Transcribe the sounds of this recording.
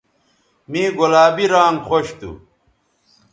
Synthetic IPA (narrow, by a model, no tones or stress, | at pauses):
mĩːɡolaːbiɾaːŋxoɕt̪ṵ